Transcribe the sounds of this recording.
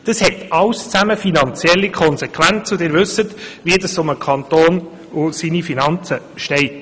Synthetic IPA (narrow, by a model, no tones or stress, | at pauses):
d̥ɑshɛtɑwst͡sæməfinɑnt͡sjɛlːikʰɔnsɛkχʋænt͡sʊdɪːɾʋʉsətʋiədɑsʊməkʰɑnt̪oːn | ʊsinifinɑnt͡sə | ʃtɛɪt